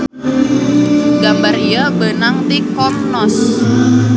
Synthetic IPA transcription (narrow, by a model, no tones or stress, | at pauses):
ɡambarijabənaŋt̪ikɔp̚nɔs